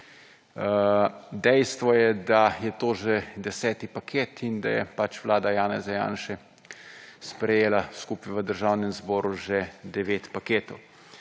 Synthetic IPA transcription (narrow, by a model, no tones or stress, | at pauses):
d̪ɛjst̪ʋɔjɛd̪ajɛt̪oːʒɛd̪ɛsɛːt̪ipakʰeːt̪ʰind̪ajɛ̰pat͡ʃʋlaːd̪ajaːnɛzaja̰ːnʃɛ | spɾɛjeːlaskupiʋəd̪əɾʒawnɛmzbɔːɾuʒɛd̪ɛʋeːt̪pakeːt̪ɔw